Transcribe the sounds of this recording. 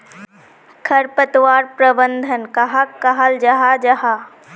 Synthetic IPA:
kʰɐɾpɐt̪ʋaːɾpɾɐbənd̪ʱənkaɦakːɐɦald͡ʒɐɦad͡ʑɐɦa

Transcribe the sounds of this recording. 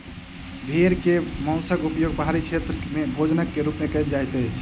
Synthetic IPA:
b̪ʱeɾkemə̃ʊ̃səɡupjoɡ̚pəɦaɾikt͡ʃʰet̪ɾəmebʱod͡ʒnəkːeɾupmekəjld͡ʒajt̪ət͡ʃʰ

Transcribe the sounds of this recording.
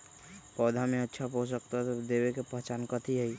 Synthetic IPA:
pɔːd̪ʱamẽətːʃʰapos̬əkt̪aɦt̪od̪eːwekepəɦt͡ʃaːnkət̪ʰiɦɛi

